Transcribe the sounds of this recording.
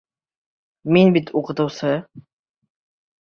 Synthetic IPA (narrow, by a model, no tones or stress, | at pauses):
minbit̪uqɤ̆t̪ɤ̆wsɤ